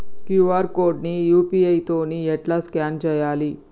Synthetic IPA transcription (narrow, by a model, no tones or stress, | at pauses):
kjuʋaɾkoɾɖnijupiejt̪oniːjeʈlaskand͡ʑəjaliː